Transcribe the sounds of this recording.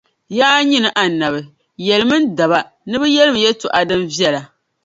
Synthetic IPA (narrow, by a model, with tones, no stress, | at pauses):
ja˦a˦ɲi˦nɨ˨ʔa˨na˨bɨ˨ | jɛ˨lɨ˨mɨ˦nda˨ba˨ | nɨ˦bɨ˦jɛ˦lɨ˦m˨jɛ˦tʊ˨ʔa˨dɨ˦mvi˦ɛ˦la˨